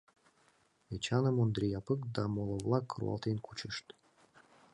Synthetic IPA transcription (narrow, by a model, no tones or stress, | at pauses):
et͡ɕɑnə̆mond̪ɾʲijɑpəkd̪ɑmolˠovlˠɑkːɾṵɑ̰lˠt̪enkʰut͡ɕəʃt̪